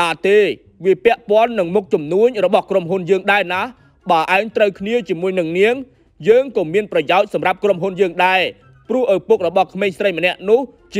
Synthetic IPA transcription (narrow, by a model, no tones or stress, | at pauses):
aːt̪eː | ʋiəpɛ̆əʔpŏənːɨŋmuk̚t͡ɕumnuəɲrɔɓɑhkromɦunjəːŋɗaɛnah | ɓaːʔaɛŋt̪rəwkʰniət͡ɕiəmuəjnɨŋniəŋ | jəːŋkɔːmiənprɑjaɔc̚sɑmrap̚kromɦunjəːŋɗaɛl | prʊ̆əhʔapuk̚rɔɓɑhkʰmeːɲsrəjmənɛ̆əʔnʊ̆əh | t͡ɕ